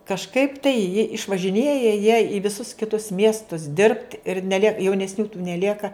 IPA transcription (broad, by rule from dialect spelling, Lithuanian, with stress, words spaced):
kɐʃˈkɐɪp tɐɪ jɪ ɪʃʋɐʒʲɪˈnʲeːjɛ jiɛ ɪ ʋʲɪˈsʊs kʲɪˈtʊs ˈmʲiɛstʊs dʲɪrpt ɪr nʲɛˈlʲiɛk jɛʊnʲɛsʲˈnʲuː tuː nʲɛˈlʲiɛkɐ